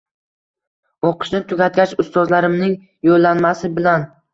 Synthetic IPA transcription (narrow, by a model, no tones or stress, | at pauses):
oqʰɨ̥ʃnɪt̪ʰʊɡʲat̪̚ɡʲat͡ʃʊst̪ɒzlaɾɪmnɪŋ | jolːanmasɪbɪlan